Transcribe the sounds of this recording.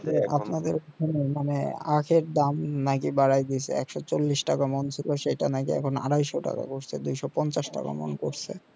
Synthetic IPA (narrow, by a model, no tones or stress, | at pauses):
d͡ʑeapnad̪eɾkɔt̪ʰonemanḛakʰeɾd̪amnakibaɽajd̪it͡ɕʰḛɛkʃɔt͡ɕolːiʃʈakamont͡ɕʰiloʃejʈanakiɛ̰kʰona̰ɾajʃoʈa̰ka̰koɾt͡ɕʰed̪ujʃɔpɔnt͡ɕaʃʈa̰ka̰mo̰nkoɾt͡ɕʰe